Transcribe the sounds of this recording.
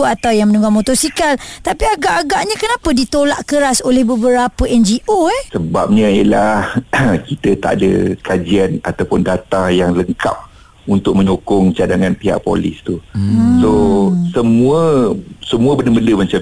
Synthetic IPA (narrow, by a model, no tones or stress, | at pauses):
at̪awjaŋmənũŋɡamot̪ɔsikalt̪apiaɡaʔːɡaʔɲãkənãpədit̪olaʔkəɾasolɛhbəbəɾapəɛnd͡ʒiʔoɛsəbap̚ɲə̃jəlahkit̪ət̪a̰ʔadə̰kad͡ʒiana̰t̪awpʊndat̪ajaŋləŋka̰p̚ | unt̪ʊk̚mə̃ɲokʊŋt͡ʃadaŋãnpiɦa̰ʔpo̰lɪ̰st̪usosəmũəsəmuəbəndəbəndəmat͡ʃa